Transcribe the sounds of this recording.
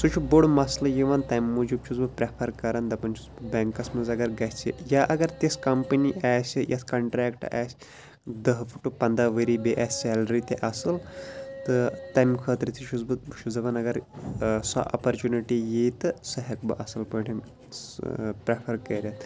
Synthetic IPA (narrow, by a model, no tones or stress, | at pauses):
sut͡ʃʰubuɽmɐslɐjiʋaːnt̪ɐmːud͡ʒib̚t͡ʃʰuzbɨpɾepʰɐɾkɐɾand̪ɐpɐnt͡ʃʰuzbɨbɛŋkɐsmɐzɐɡɐɾɡɐt͡ʃʰḭjaʔɐɡɐɾt̪eskɐmpɨniʔaːsʲijʔɐskɐɳʈɾæːkʈa̰ːsʲ | d̪ɐɦpʰuʈːupɐnd̪aʋəɾibeʔaːsʲsɛːlɾit̪eʔɐsɨlt̪ɨt̪ɐjmkʰəːt̪ɾɨt̪ʰit͡ʃʰuzbɨt͡ʃʰud͡zɐpɐnɐɡɐɾsa̰ʔɐ̰pɐɾt͡ʃuniʈijet̪ɨsɐɦɐkbɨ̰ʔɐsɐlpɐɳʈʲʰɐn | pɾepʰɐɾkɐɾʲat̪